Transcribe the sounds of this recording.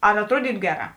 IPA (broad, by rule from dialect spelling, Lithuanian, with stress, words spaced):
ɐr ɐtˈruɔdʲiːtʊ ˈɡʲæːˌrɑː